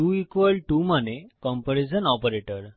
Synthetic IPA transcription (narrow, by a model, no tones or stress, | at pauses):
ʈuikʋəlʈumanekɔmpəɾesənɔpəɾeʈəɾ